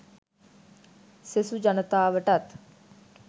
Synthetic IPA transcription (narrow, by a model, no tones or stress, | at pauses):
sesud͡ʒɐnət̪aːʋəʈɐt̪